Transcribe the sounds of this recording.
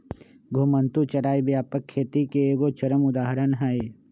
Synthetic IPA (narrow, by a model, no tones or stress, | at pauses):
ɡʱomənt̪ut͡ʃɐɾaːibjaːpəkʰːeːt̪ikeeːɡot͡ʃɐɾəmʊd̪aːɦɾənɦae